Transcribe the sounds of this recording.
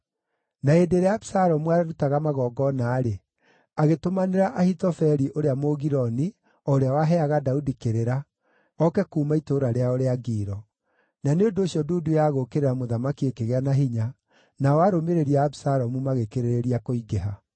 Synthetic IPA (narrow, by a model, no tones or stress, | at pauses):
naedeɾeabsaɾɔmuaɾaɾutaɣamaɣɔːɡɔnaːɾe | aɣetomaneɾaʔahitɔfɛɾiʔoɾeamoɣiɾɔni | ɔoɾeawaɦɛaɣadaudikeɾeɾa | ɔkɛkuːmaitoːɾaɾeaoɾeaɡiːɾɔ | naneondoːɕjɔduːdujaɣokeɾeɾamoðamakiekeɣeanaɦiɲa | naɔaɾomeɾeɾiaːbisaɾɔmumaɣekeɾeɾeɾiakoiɡeɦa